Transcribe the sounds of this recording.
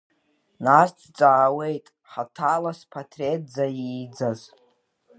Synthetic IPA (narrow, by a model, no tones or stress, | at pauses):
nast͡sʰt͡sʼaːwe̞jtʼ | ħatʰalaspʰatʰretd͡zajid͡zaz